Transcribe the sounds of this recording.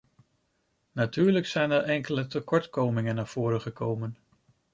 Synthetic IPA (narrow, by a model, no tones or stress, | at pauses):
natyːɹləksɛjnɛɹʔɛŋkələtəkɔɹtkowmɪŋənːaːɹv̥ʊːɾəχəkowmən